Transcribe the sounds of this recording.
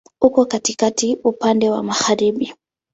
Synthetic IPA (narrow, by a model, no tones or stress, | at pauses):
hukɔkatikatiʔupandɛwa̰maɣaɾiɓi